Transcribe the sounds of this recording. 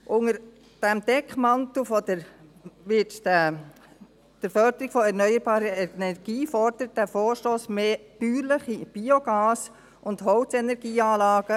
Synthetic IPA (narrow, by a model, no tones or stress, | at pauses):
ʔʊŋəɾ | d̥ɛmd̥ɛkχmɑnt̪ofɔd̥əɾʋɪtd̥æ | d̥əɾfœɾd̥əɾiɡ̥fɔɛɾnœʏəɾb̥ɑːɾəɛnɛɾɡ̥iːfɔrd̥̪əɾət̚d̥æfoːɾʃtoːsmeːb̥yːɾləχib̥ioɡɑːs | ʔʊnd̥hɔʊt͡sɛnɛɾɡiːɑːlɑːɡ̥ə